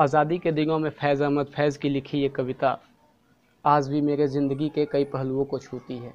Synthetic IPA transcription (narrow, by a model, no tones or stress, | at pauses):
aːzaːd̪iked̪ɪnõmẽfʰɛːzaməd̪fʰɛːzkilɪkʰijekɐʋɪt̪a̰ | aːzbʱimeːɾezɪ̃nd̪əɡikekɐipɐɦluõkot͡ʃʰuːt̪iɦɛː